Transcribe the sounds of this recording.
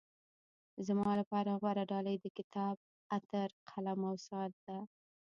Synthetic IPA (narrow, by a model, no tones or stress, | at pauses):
zəmɑlapɑɾaɣwaɾaɖɑləjd̪əkɪt̪ɑb̚ | at̪əɾqʰalamawsɑɾd̪a